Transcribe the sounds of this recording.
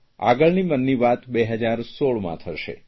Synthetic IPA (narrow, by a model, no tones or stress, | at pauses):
a̰ɡəɭnimənːiʋat̪beɦəd͡ʒaɾsoɭmã̰t̪ʰəʃḛ